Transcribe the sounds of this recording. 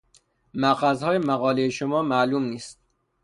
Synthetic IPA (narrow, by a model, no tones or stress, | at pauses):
mæɣæzhɒːjemæɣɒːlejeʃomɒːmæʔluːmniːst̪̚